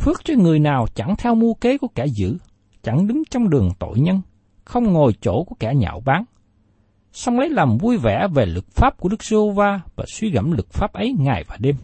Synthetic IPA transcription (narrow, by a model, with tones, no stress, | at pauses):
fɨ˦˥ək̚t͡ɕɔ˧ŋɨ˨˩əjnaː˨˩wt͡ɕa˧˩ŋt̪ʰɛ˧wmu˧ke˨˦ku˧˩əkɛ˧˩zɨ̰˧˥ | t͡ɕa˧˩ŋɗɨ˨˦ŋt͡ɕɔ˧wŋ͡mɗɨ˨˩əŋt̪o̰˧˨jɲə˧n | xə˧wŋ͡mŋo˨˩jt͡ɕo̰˧˩˥ku˧˩əkɛ˧˩ɲa̰ː˧˨wɓaː˨˦ŋ | sɔ˧wŋ͡mlə˨˦jlaː˨˩mvu˧jvɛ̰˧˩ve˨˩lɨ˨˩k̚faː˦˥p̚ku˧˩əɗɨ˦˥k̚zɨ˧vaː˧vaː˨˩swi˧ɣə̰˧˥mlɨ˨˩k̚faː˦˥p̚ʔə˨˦jŋaː˨˩jvaː˨˩ɗe˧m